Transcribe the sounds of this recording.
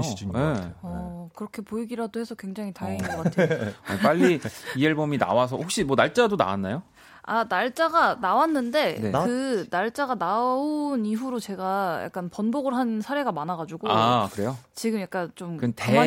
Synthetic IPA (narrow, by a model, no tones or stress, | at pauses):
eʌkɯɾʌkʰe̞poiɡiɾadohe̞sʰʌkwe̞ŋd͡ʑaŋitaɾeŋinɡɡʌk͈aap͈aʎːiieɭbomina̰wasʰʌhok̚ɕ͈imʌnaɭt͡ɕ͈adona̰wa̰nːa̰jo | a̰naɭt͡ɕ͈aɡanawanːɯnde̞ekɯnaɭt͡ɕ͈aɡanaoniɦuɾot͡ɕe̞ɡaja̰k͈̚anpʌnboɡɯɭɦansʰaɾe̞ɡamanaɡad͡ʑuɡoakɯɾe̞jot͡ɕiɡɯmjak͈ant͡ɕomkɯnte